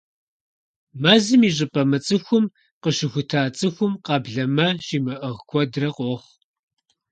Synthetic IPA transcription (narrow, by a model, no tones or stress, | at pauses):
mazɨmiːɕ̬ʼɪpʼɐmɐt͡sʼɨxʷʊm | qəʃɪxʷʊtʰaːt͡sʼɨxʷʊmqɑːbɮɐmɐɕiːmɐʔɨʁkʷʰɔdrɐqʷʼoχ